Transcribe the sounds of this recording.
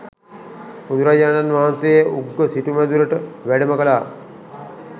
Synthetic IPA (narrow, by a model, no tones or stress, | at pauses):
ud̪uɾad͡ʑaːnanʋaɦansejəʔuɡɡːəsiʈumæd̪uɾəʈəʋæɖəməkəlaː